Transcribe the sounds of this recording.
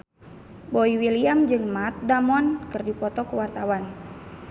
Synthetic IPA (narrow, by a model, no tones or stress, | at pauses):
bɔiwiliamd͡ʒɨŋmat̪̚damɔnkɨrdipɔt̪ɔkəwart̪awan